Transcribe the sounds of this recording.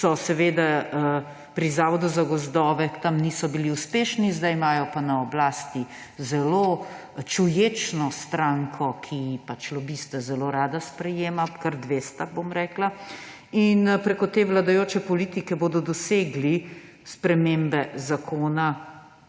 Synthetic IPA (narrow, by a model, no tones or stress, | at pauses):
sɔsɛʋeːd̪a | pɾizaːʋɔd̪uzaɡɔzd̪ɔːʋɛt̪amnisɔbiliuspeːʃnizd̪ajmaːjɔpanaɔblaːst̪i | zɛlo | t͡ʃujeːt͡ʃnɔst̪ɾaŋkʰɔkʰipat͡ʃlɔbist̪ɛzɛloɾaːd̪aspɾɛjeːmakaɾd̪ʋeːst̪abomɾɛːkla | inpɾekɔt̪eːʋlad̪ajoːt͡ʃɛpɔliːt̪ikɛboːd̪ɔd̪ɔseːɡli | spɾɛmeːmbɛzakʰoːna